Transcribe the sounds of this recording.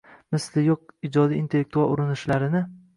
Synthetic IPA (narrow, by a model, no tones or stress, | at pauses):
mɪslɪjoq̚ɪd͡ʒɒd̪ijːnt̪ʰe̞lːek̚t̪ʰualˠʊɾɪnɪʃlaɾɪnɪ